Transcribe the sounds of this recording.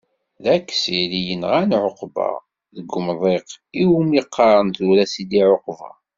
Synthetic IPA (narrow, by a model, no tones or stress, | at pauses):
ðækːsilijənʁænʕoqbɑ̰ | ðəɡəmðˤeqiwumiqːɑɾˤənθuɾæsid̪iʕoqvɑ̰